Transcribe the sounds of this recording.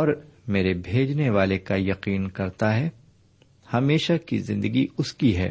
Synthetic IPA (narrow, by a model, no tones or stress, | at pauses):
ɔːɾmeːɾebʱeːd͡ʒneʋaːlekajɐqiːnkɐɾt̪aɦɛ | hɐmeːʃakḭzɪ̃nd̪əɡiʊskiɦɛ̰ː